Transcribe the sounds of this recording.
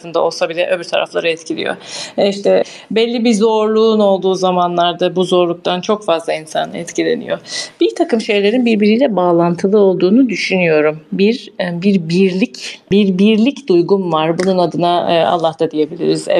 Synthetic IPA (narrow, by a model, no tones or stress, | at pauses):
ɯnd̪ao̞lˠsabilʲɛʔømyɾt̪ʰaɾa̰flˠaɾɯɛt̪cʰilʲḭjo̰iʃt̪ʰɛ | bɛlʲːibizo̞ɾlˠuːno̞lˠd̪uːzamanlˠaɾd̪abuzo̞ɾlˠuk̚t̪ʰant͡ʃʰo̞kfazlˠainsa̰nɛ̰t̪cilʲe̞̰nḭjo̞b̥iɾt̪ʰakɯmʃe̞jlʲe̞ɾinbiɾbiɾijlʲɛbaːlˠant̪ʰɯlˠɯo̞lˠd̪uːnud̪yʃynyjo̞ɾumbiɾbiɾbiɾlʲicbiɾbiɾlʲicd̪ujɡunvaɾbununad̪ɯnaa̰lˠːahtd̪ad̪ije̞bilʲḭɾizɛ̰